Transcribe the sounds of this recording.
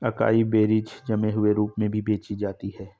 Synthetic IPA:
ɐka̰ːibeːɾid͡ʒd͡ʒɐmeɦʊeɾuːpmẽbʱibeːt͡ʃid͡ʒaːt̪iɦɛː

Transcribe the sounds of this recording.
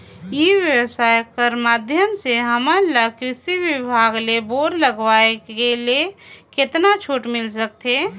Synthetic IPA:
jiʋjəwsaːjkəɾmaːd̪ʱjəmseɦəmələkɾɪsiʋɪbʱaːɡleboːɾləɡwaːekelekɪt̪nat͡ʃʰoːʈmɪlsək̚t̪eː

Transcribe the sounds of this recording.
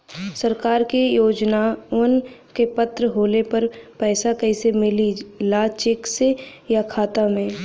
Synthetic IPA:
sɐɾkaːɾkijoːd͡ʒnaʊnkepɐt̪ɾəɦoːlepɐɾpɛːsakɐisemɪlilaːt͡ʃɪksejakʰaːt̪amẽː

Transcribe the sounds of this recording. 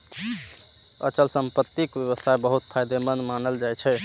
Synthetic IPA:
ə̰t͡ʃəlsəmpət̪ːikbjəβəsajbəɦut̪̚pʰajd̪emənmanəld͡ʒajt͡ʃʰɛ

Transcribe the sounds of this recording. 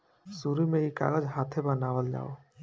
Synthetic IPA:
suɾimeika̰ɡəd͡ʒɦat̪ʰebənawəld͡ʒa̰o

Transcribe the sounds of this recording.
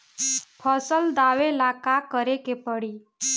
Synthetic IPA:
pʰəsəld̪aʋelakakəɾekepəɽiː

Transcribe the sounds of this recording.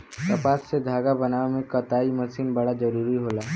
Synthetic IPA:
t̪ɐpaːsːed̪ʱaːɡabɐnaːʋemẽkɐt̪aːimɐsiːnbɐɽazɐɾuːɾiɦoːlaː

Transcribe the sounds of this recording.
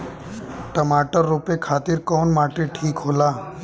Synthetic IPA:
ʈəmaːʈəɾːupekʰaːt̪iɾkɔːnmaːʈeʈʰiːkɦoːlaː

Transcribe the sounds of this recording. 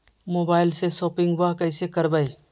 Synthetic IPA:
moːbaːɪlsesoːpɪ̃ŋɡbakəɪsekəɾbəi

